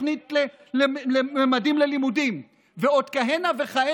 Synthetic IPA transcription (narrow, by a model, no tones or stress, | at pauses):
nit̪le | lelememadimlelimudim | veod̪kaɦenaveχae